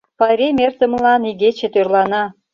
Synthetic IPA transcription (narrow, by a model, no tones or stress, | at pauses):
pɑɾʲemʲert̪ə̆mlɑniɣet͡ɕet̪ørlɑnɑ